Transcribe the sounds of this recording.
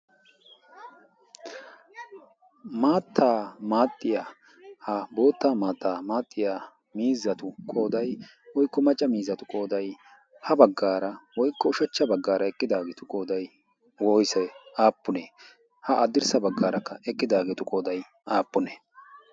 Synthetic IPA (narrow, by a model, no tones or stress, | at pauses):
maːt̪ʰːaːmaːt̪ʼːɪja | hɐbo̞ːt̪ːaːmaːt̪ːaːmaːt̪ʼːɪjaː | miːzːɐt̪ʊkʼo̞ːd̪ɐj | wɔjkːɔmɐt͡ʃʼːɐmiːzːɐt̪ʊkʼo̞ːd̪ɐj | hɐbɐɡːaːɾɐwɔjkːɔʊʃɐt͡ʃːɐbɐɡːaːɾɐɛkʼːɪd̪aːɡeːt̪ʊkʼoːd̪ɐj | wɔjsɛaːpːʊne | hɐʔɐd̪ɪɾsɐbɐɡːaːɾɐkːɐɛkʼːɪd̪aːɡeːt̪ʊkʼo̞ːd̪ɐj | ʔaːpːʊnɛ